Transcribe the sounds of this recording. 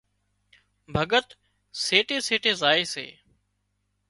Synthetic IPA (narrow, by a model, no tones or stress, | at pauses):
bʱəɠət̪ | seːʈeːseːʈeːzaːeːsḛː